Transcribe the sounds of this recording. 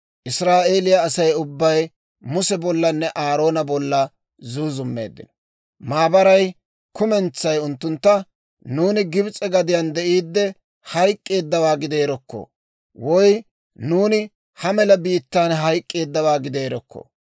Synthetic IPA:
ʔɪsɾaːʔe̞ːlɪjɐːsɐjʊbːɐj | mʊsɛbɔlːɐnːɛʔaːɾo̞ːnɐbɔlːɐ | zuːzʊmːḛːd̪ːɪ̰nɔ̥ | maːbɐɾɐj | kʊmɛnt͡sːɐjʊnt̪ːʊnt̪ːɐ | nuːnɪɡɪbt͡sʼɛɡɐd̪ɪjand̪ɛʔiːd̪ːɛ | hɐjkʼːe̞ːd̪ːɐwaːɡɪd̪e̞ːɾɔkːɔ̰ | wɔj | nuːnɪ | hɐmɛlɐbiːt̪ːaːnɦɐjkʼːe̞ːd̪ːɐwaːɡɪd̪e̞ːɾɔkʰːɔ̰

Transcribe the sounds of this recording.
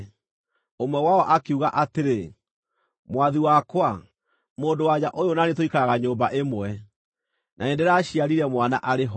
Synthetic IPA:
omwɛwaɔʔakeuɣaʔateɾe | mwaðiwakwa | moːndowaɲaʔojonanetoikaɣaɲoːmbaʔemwɛ | nʔaedɛɾaːɕiaɾiɾɛmwanaʔaɾeɦɔ

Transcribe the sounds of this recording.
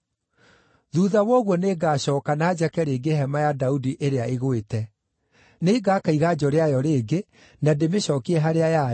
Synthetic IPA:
ðuːðawɔɣwɔneːɡaːɕɔːkanad͡ʑɛkɛɾeːɡeɦɛmajadaudiʔeɾeaʔeɣwetɛ | neɡakaiɣad͡ʑɔɾeajɔɾeːɡe | nademeɕɔːkiɛɦaɾeaja

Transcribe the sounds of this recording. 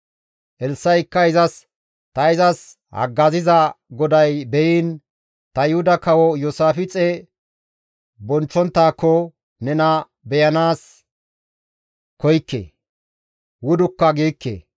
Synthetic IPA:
ʔɛlsːɐjɪkːɐɪzɐs | t̪ɐɪzɐs | hɐ̰ɡːɐzɪzɐɡɔd̪ɐjbɛjiːn | t̪ɐjɪhʊd̪ɐkɐwɔjɔsaːfɪt͡sʼe | bɔnt͡ʃːɔnt̪ːaːkːɔ | nɛnɐ | bɛjɐnaːs | kɔjkːḛ | wʊd̪ʊkːɐɡiːkːḛ

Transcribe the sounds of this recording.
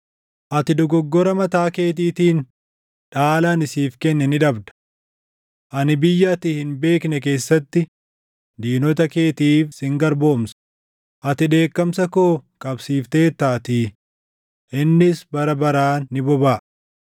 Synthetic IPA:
ʔɐt̪ɪd̪ɔɡɔɡːɔɾɐmɐt̪aːke̞ːt̪̬iːt̪iːn | ᶑaːlɐnɪsiːfkɛnːɛnɪᶑɐbd̪ɐ̥ | ʔɐnɪbɪjːɐːt̪ɪhɪnbe̞ːknɛk̬e̞ːsːɐt̪ːɪ | d̪iːnɔt̪ɐkeːt̪iːfsɪŋɡɐɾbo̞ːmsɐ̥ | ʔɐt̪ɪᶑe̞ːkːɐmsɐkoːkʼɐbsiːft̪e̞ːt̪aːt̪iː | ʔɪnːɪsbɐɾɐbɐɾaːnːɪbɔbaːʔ

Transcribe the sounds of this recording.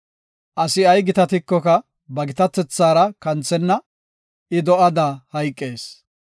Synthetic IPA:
ʔɐsɪɐjɡɪt̪ɐt̪ɪkːɔkɐ | bɐɡɪt̪ɐt̪ːɛt͡sːaːɾɐkɐnt͡sːɛnːɐ | ɪd̪ɔʔɐd̪ahɐjkʼːeːs

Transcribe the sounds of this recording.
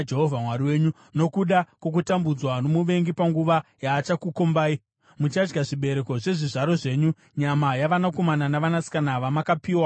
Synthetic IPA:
d͡ʒeɦovʱamwaɾiwe̞ːɲu | no̞kuɗakwo̞k̬utambud͡zwano̞muʋe̞ŋɡipaŋɡuʋajaːt͡ʃakukombaːi | mut͡ʃad͡ʒɡaʐiɓe̞ɾe̞ko̞ʐe̞ʐiʐaɾo̞ʐe̞ːɲu | ɲamajaʋanako̞mananaʋanasi̥kanaʋamakapiːwa

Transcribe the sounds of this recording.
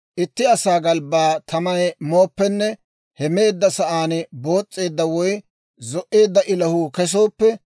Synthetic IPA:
ʔɪt̪ːɪɐsaːɡɐlbaːt̪ʰɐmɐjmo̞ːpːɛnːɛ | hɛme̞ːd̪ːɐsɐʔaːnbo̞ːt͡sʼːe̞ːd̪ːɐwɔj | zɔʔe̞ːd̪ːɐʔɪlɐhʊkɛs̬o̞ːpːɛ

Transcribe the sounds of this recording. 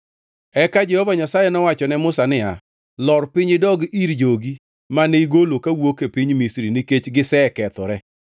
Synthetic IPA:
ɛkad͡ʒɛhɔvaɲasajɛnɔwat͡ʃɔnɛmʊsanɪa | lɔrpɪɲɪdɔɡiɾd͡ʒoɡi | maneiɡolokawokepiɲmisɾiniket͡ʃɡɪsɛkɛt̪ɔɾɛ

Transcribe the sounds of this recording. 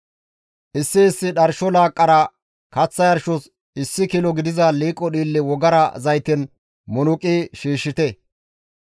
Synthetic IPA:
ʔɪsːɪːsːɪɗɐɾʃɔlaːkʼːɐɾɐ | kɐt͡sːɐjɐɾʃɔs | ɪsːɪkɪlɔɡɪd̪ɪzɐliːkʼːɔɗiːlːɪwɔɡɐɾɐzɐjt̪ɪn | mɔnʊkʼiːʃiːʃːɪt̪ɛ

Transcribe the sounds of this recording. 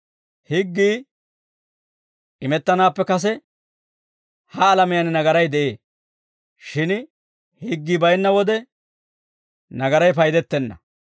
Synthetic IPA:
hɪɡːiː | ʔɪmɛt̪ːɐnaːpːɛkɐs̬ɛ | hɐːlɐmɪjɐnɪnɐɡɐɾɐjd̪ɛʔeː | ʃɪn | hɪɡːiːbɐjnːɐwɔd̪ɛ | nɐɡɐɾɐjp̬ɐjd̪ɛt̪ːɛnːɐ̰

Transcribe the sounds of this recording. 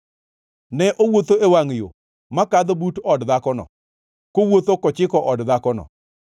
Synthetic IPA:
nɛʔowot̪oewaŋjo̰ | makad̪butɔdd̪akɔnɔ̰ | kowot̪okɔt͡ʃɪkɔʔɔdd̪akɔnɔ̰

